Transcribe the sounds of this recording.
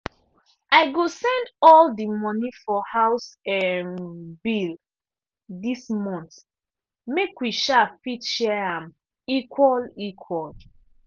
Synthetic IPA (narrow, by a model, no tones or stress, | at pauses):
aɪɡosɛ̃ndɔldimɔnĩfɔhaʊsɛnbil | dismɔ̃nt | mekwiʃafitʃɛãm | ikʰwɔlikʰwɔl